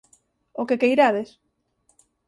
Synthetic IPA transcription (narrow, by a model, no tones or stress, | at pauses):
okekejɾaðes